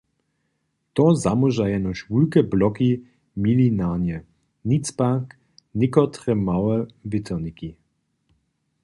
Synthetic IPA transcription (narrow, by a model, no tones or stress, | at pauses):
t̪ɔzamɔʒajɛnɔʃvulkɛblɔki | milinanɛ | nit͡spak | nʲɪkɔt̪ʁɛmawɛbɪt̪ʰɛniki